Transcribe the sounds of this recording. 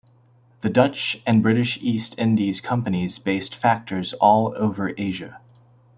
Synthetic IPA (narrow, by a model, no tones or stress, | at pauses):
ðɨdʌt͡ʃɨ̃nbɹɪɾɨʃistʰɪ̃ndiz̥kʰʌ̃mpɨnizbeɪstfæk̚tʰə˞zɔlˠo̰ʊvə˞ʔeɪʒɨ̰